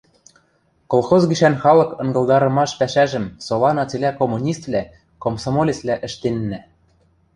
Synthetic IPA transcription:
kolˠxozɡiʃænxɑlˠɤ̆kɤ̆ŋɡɤ̆lˠd̪ɑɾɤ̆mɑʃpæʃæʒɘ̆msolɑnɑt͡selʲækomːunʲist̪vlʲæ | komsomolʲeslʲæʔɘ̆ʃt̪enːæ

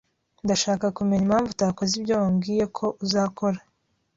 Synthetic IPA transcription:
ndaʃaːkakumeɲimhaːɱvutaːkozibɟoːwoːŋɡiːje̞kʰo̞ʔuzaːkʰo̞ɾa

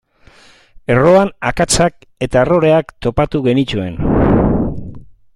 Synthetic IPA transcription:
e̞ro̞anakat͡sak̚ | e̞t̪aero̞ɾe̞akt̪o̞pat̪uɣe̞nit͡ʃue̞̰n

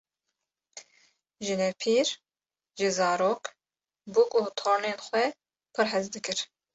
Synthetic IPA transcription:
ʒɨnɛpʰiːɾ | ʒɨzɑːɾoːk | bukʼut̪ʰoːɾneːnxʷɛ | pʰɨɾħɛzd̪ɨkʰɨɾ

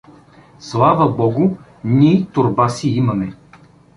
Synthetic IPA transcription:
slˠavəbɔɡʊ | nʲit̪ʊɾbasiimɐmɛ

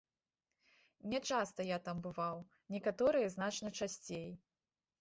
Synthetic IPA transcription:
nʲɛt͡ʂast̪ɐjat̪ambɨvaw | nʲɛkat̪ɔɾɨjɐznat͡ʂnɐt͡ʂasʲt͡sʲej

